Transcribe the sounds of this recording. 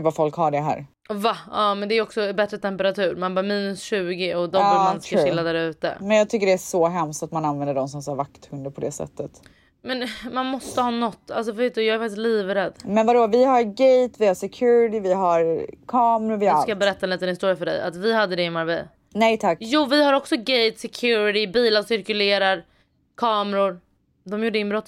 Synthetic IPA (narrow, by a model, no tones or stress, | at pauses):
vafɔlkhaɖɛɦæ̰ːɾ | vaɑːmɛnd̪ɛːɾɔksɔbɛt̪ɾət̪ʰɛmpəɾat̪ʰʉ̟ːɾmanbɑːɾmiːnɵsɕʉ̟ːɡɪɔd̪ɔmb̪ɪɡanskaɧɪlːad̪æːɾʉ̟ːt̪ə̰mɛnjɑːɡt̪ʰʏkːəɖɛæʂɔɦɛmst̪at̪mananvɛnd̪əɖɔmsɔmsaːɾvakt̪hɵnd̪əɾpʰɔd̪ɛsɛ̰t̪ːət̪ | mɛnmanmɔst̪əhɑːnɔt̪ːa̰ls̬ɔvveːt̪̚d̪ɵjɑːɡæɾfak̚t̪ɪst̪liːvɾɛd̪ːmɛnvad̪oːvɪhaɾɡɛjt̪vɪhasɛkʰjʉːɾɪt̪ɪvɪɦaɾkʰɑːmɾʊɾvɪd̪skajɑːbɛɾɛt̪ːaɛniːt̪ənɪst̪uːɾjafœɖɛ̰ja̰t̪vɪɦad̪ːəd̪ɛɪmaɾvɛ̰j | nɛjt̪ʰakːjuːvɪhaɾɔksɔɡejt̪sɛkʰjʉːɾɪɾɪbiːlasɪɾkɵleːɾaɾ | kʰɑːmɛɾʊɾ | d̪ɔmjuːɖːəɪnbɾɔt̪ː